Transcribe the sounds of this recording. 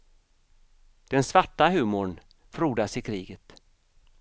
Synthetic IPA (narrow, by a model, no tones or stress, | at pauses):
d̪̥ɛnsvaʈːaɦʉ̟ːmʊɳ | fɾuːd̪asɪkʰɾiːɡət̪